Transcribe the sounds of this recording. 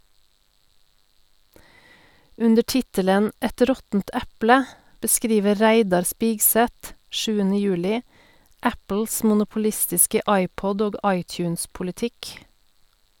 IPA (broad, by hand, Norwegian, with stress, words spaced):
ˈʉndə ˈʈɪtələn ˈɛt ˈɾɔtn̩t ˈɛplə bəˈskɾiːʋə ˈɾæɪdɑɾ ˈspɪɡˌsɛt ˈʃʉːənə ˈjʉːlɪ ˈæpl̩s mʊnʊpʊˈlɪstɪskə ˈɑɪˌpɔd ˈoːɡ ˈɑɪˌtjʉːnspʊlɪˌtɪk